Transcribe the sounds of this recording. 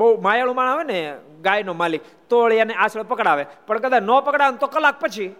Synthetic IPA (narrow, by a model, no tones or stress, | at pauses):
bəumajaɭ̃ũmañaʋene | ɡajnomalik | t̪oəɭjaneʔasɭpəkɽaʋepəɳkəd̪at͡ʃnɔpəkɽaʋənt̪okəlak̚pət͡ʃʰi